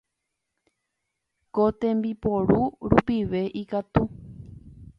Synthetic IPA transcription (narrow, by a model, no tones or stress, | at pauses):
kot̪ẽmbipoɾuɾupiʋe̞ʔikat̪u